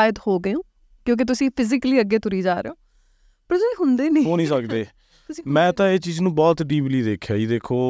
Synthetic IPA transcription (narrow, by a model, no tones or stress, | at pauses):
aːjɪd̪hoːɡəjõː | kjõːk̬ɪt̪̬ʊsĩːpʰɪzɪkliːəɡːeːt̪ʊɾiːd͡ʒaːɾḛoː | pəɾtiɦʊnd̪eːnĩːɦoːnĩːsəkd̪eː | mɛ̃ːt̪ãːeːt͡ʃiːznũːbɔːt̪ɖiːbliːd̪eːkʰjaːiːd̪eːkʰoː